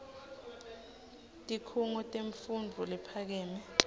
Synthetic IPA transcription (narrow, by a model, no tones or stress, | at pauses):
tʼikʰuŋɔtʼeɱfundʱulipʰak̬ɛːmɛ